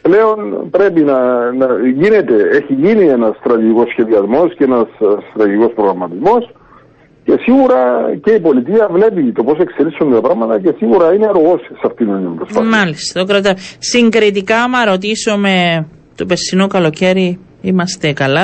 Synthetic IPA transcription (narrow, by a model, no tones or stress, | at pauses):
ple̞o̞npɾe̞pinɐnɐʝine̞t̪e̞eçiʝinienɐst̪ɾɐt̪iʝiko̞sçe̞ðiɐzmo̞sceenɐsst̪ɾɐt̪iʝiko̞spɾoɣɾɐmːɐt̪izmo̞s | ce̞siɣuɾɐce̞ipo̞lit̪iɐvle̞pit̪o̞po̞se̞kse̞lisund̪t̪ɐpɾɐɣmɐt̪ɐce̞siɣuɾɐineɾoɣo̞ssɐft̪ininipɾosfɐmɐlist̪ɐokɾɐt̪ɐsiŋɡɾit̪ikɐmɐɾo̞t̪̬isome̞ | t̪ope̞sinokɐlo̞ce̞ɾi | imɐst̪e̞kɐlɐ